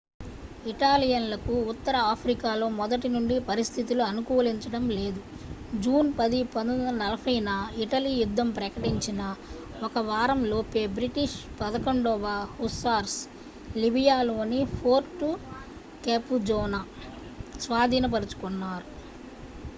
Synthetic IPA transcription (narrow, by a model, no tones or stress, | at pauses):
iʈaːlijɐnlɐkuːt̪ːɐɾɐaːpʰɾikaːlo̞ːmɔd̪ɐʈinuɳɖipɐɾist̪ʰit̪uluɐnukuːliɲt͡ʃɐɽɐmle̞ːd̪u | d͡ʒuːnpɐd̪ipɐnuɐnɐlɐpʰɐjnɐiʈɐlijud̪ːɐmpɾɐkɐʈiɲt͡ʃinɐ | ɔkɐʋaːɾɐmlo̞ːpe̞ːbɾiʈiʂpɐd̪ɐkɐɳɖɔːʋaːhusaːɾs | libijaːlo̞ːnipʰoːɾʈːu | keːpud͡ʒɔːna | sʋaːd̪ʱiːnɐp̬ɐɾut͡ʃu̥kunːaːɾu